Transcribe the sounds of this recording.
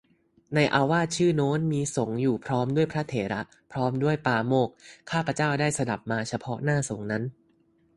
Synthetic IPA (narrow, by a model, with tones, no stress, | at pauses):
na˧jʔaː˧waː˥˩t̪̚t͡ɕʰɯː˥˩noː˦˥nmiː˧so˨˩˦ŋjuː˨˩pʰɾɔː˦˥mdu˥˩əjpʰɾa˦˥t̪ʰeː˩˦ɾa˦˥ | pʰɾɔː˦˥mdu˥˩əjpaː˧moː˥˩k̚ʰːaː˥˩pʰɾa˧t͡ɕaː˥˩wdaː˥˩jsa˧da˨˩p̚maː˧t͡ɕʰa˧pʰɔ˦˥naː˥˩so˩˦ŋna˦˥n